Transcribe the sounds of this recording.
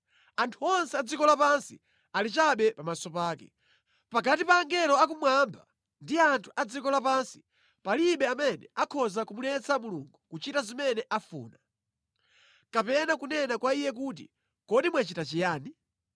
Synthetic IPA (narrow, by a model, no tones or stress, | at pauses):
antʰuɔnsɛad͡zikɔlapansḭ | alit͡ʃaɓɛpamasɔpaːkɛ̰ | pakatipaːŋɡɛlɔakumwambʱa | ndiantʰu̥ʔad͡zikɔlapansi̥ | paliɓɛamɛnɛ̰ʔakʰɔzakumulɛt͡samuluŋɡukut͡ʃitazimɛnɛʔafṵːna | kapɛnakunɛnakwaijɛk̬uːt̬ḭ | kɔɗimwɛt͡ʃitat͡ʃijaːni